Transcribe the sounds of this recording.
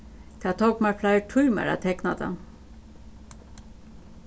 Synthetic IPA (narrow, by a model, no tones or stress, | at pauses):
k̪ʰat̪ʰɔkmaflajʈʰuːma̰ɾa̰t̪ʰɛknad̪a̰